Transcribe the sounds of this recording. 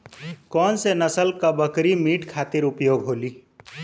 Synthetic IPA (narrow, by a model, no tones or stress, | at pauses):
kɔːnsenɐsəlkabəkɾimiːʈkʰaːt̪ɪɾʊpjoːɡɦoːliː